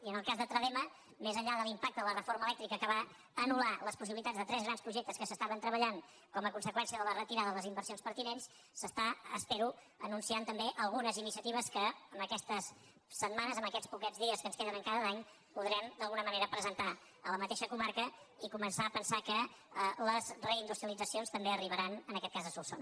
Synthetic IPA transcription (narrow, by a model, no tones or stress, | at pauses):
iənəlˠkazðət̪ɾəðemə | mezəʎaðəlˠimpak̚t̪əələrəfoɾməlɛk̚t̪ɾikəkəβa | ənulaləspus̬iβilit̪ad͡zðət̪ɾɛzɣɾanspɾuʒek̚t̪əskəsəst̪aβənt̪ɾəβəʎaŋ | kɔməkunsəkwɛnsiəðələrət̪iɾaðəðələzimbəɾsionspəɾt̪inensː | əst̪aə̰speɾu | ənunsiant̪əmbeʔəlˠɣunəzinisiət̪iβ̞əskəːmbəkɛst̪əsː | əd̪manəzəmbəkɛt͡spukɛd͡zðiəskənskeðənəŋkaðəlaɲ | puðɾɛmd̪əlˠɣunəməneɾəpɾəzənt̪a | ələmət̪eʃəkumaɾkəikumənsaəpənsakələzrəind̪ust̪ɾiəlˠid͡zəsionst̪əmbeəriβ̞əɾanənəkɛt̪kazðəsulˠso̰n